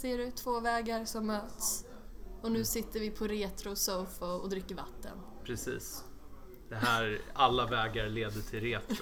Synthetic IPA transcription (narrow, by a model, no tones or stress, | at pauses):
seːɖʉ̟ːt̪ʰːv̥oːvɛːɡaɾsɔmːøːt̪s | ɔnʉ̟ːsɪt̪ːəɾvɪpʰɔɾeːt̪ɾʊsoːfaɔd̪ɾɪkːəɾva̰t̪ʰːə̰n | pʰɾɛsḭːs | d̪̥ɛɦæːɾalːavɛːɡaɾleːd̪əʈʰɪlɾeːt̪ɾ